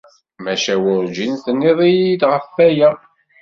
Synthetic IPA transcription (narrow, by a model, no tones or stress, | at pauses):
mæʃæwʊɾd͡ʒinθənːiðˤijid̪ʁəfːæjæ